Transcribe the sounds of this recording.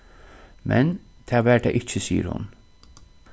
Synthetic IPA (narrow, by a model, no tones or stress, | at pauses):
mʔɛ̰n | t̪ʰæːʋæːɹʈʰɛ̰ːʔɪcːəsiːə̰ɾhʊ̰n